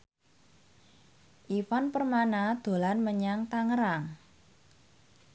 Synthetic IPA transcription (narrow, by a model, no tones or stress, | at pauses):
ʔifanpərmanad̪̥o̤lanməɲaŋt̪aŋəɾaŋ